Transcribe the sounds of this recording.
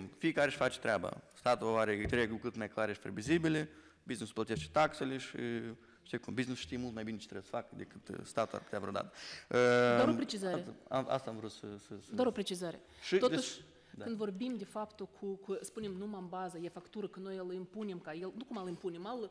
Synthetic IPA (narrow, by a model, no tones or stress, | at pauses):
fikaɾeʃfat͡ʃt̪ɾʲaba̰st̪at̪uaaɾet̪ɾeɡukɨt̪majklˠaɾeʃpɾevizibile | biznisplˠət̪eʃt͡ʃ̪e̥t̪akseleʃi | ʃt̪ekumbiznisʃt̪imulˠt̪majbinet͡ʃe̥t̪ɾɛbsə̥fakd̪ekɨt̪st̪at̪ua̰ɾpə̥t̪eavɾod̪a̰t̪əd̪aɾopɾet͡ʃizaɾea̰ma̰st̪amvɾut̪səsəsd̪aɾopɾet͡ʃizaɾʲḛ | ʃit̪ot̪uʃ | d̪ɨnd̪vorbimd̪ʲefapt̪okʰukəspunemnumambazajefakt̪uɾəkənnojlˠimpunʲemkajelˠnukumalimpunemalˠ